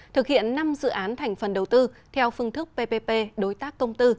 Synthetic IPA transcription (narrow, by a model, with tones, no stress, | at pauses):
t̪ʰɨ˨˩k̚hḭ˧˨ənːa˧mzɨ̰˧˨ʔaː˨˦nt̪ʰa˨˩jŋ̟fə˨˩nɗə˨˩wt̪ɨ˧t̪ʰɛ˧wfɨ˧əŋt̪ʰɨ˦˥k̚pe˧pe˧pe˧ɗo˨˦jt̪aː˦˥kːə˧wŋ͡mt̪ɨ˧